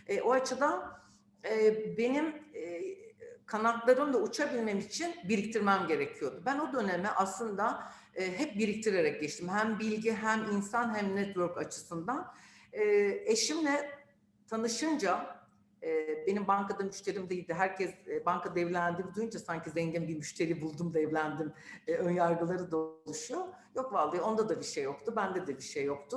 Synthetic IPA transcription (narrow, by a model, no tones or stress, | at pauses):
ɛʔo̞at͡ʃʰɯd̪an | ɛːbe̞nim | kʰanak̪lˠaɾɯmd̪ˠaut͡ʃʰabilʲmemːt͡ʃʰinbiɾic̚t̪ʰiɾmæmɟe̞ɾecʰijo̞d̪ubæno̞d̪ø̞nemɛʔaslˠɯnd̪a | ɦɛp̚biɾic̚t̪ʰiɾeɾɛc̚ɟɛt͡ʃt̪ʰimhæmbilʲɟiɦæminsanɦæmnɛt̪vøɾkat͡ʃʰɯ̥sɯnd̪anɛeʃimlɛ | t̪ʰanɯʃɯnd͡ʒa | be̞nimbaŋkad̪amyʃt̪ʰe̞ɾimd̪e̞jilʲd̪ɪɦæɾcʰɛsbanŋkʰad̪ɛvlʲænd̪imd̪ujund͡ʒasaɲcizɛɲɟinbimyʃt̪ʰe̞ɾibulˠd̪umd̪ɛvlʲænd̪imønjaɾɡɯlˠaɾɯd̪olˠuʃujo̞ | jo̞kvalˠd̪ɯjo̞nd̪ad̪abiʃejːo̞kt̪ʰubænd̪ɛd̪ɛbiɾʃejːo̞kt̪ʰʊ